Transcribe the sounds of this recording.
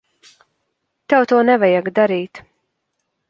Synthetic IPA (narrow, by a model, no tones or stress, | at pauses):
t̪ɛwt̪uɔnɛvɛjaɡd̪aɾiːt̪